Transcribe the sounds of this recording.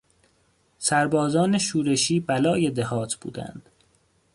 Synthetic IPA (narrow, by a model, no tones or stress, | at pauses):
sæɾbɒːzɒːneʃuːɾeʃiːbælɒːje̞d̪ehɒːt̪ʰb̥ṵːd̪æ̰nd̪̥